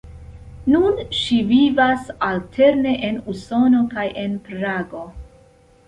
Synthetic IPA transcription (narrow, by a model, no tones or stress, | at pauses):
nunʃivivasaltʰe̞ɾne̞ʔe̞nuso̞no̞kajʔe̞npɾaɡo̞